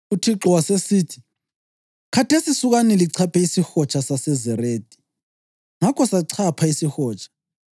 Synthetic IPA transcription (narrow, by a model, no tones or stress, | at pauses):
utʰiǁɔwasesiːtʰi̥ | kʰatʰesisuɣ̬anɛliǀʰapʰɛisixɔt͡ʃʰasasɛzɛreːdʱʼi̥ | ŋakʰɔsaǀʰapʰaisixɔːt͡ʃʰḁ